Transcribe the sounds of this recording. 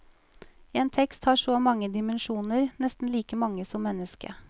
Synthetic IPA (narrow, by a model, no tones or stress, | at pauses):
eːnt̪ʰɛkst̪hɑːʂoːmɑŋəd̪ɪmənʃuːnəɾnɛst̪n̩liːkəmɑŋəsɔmːɛnəskə̰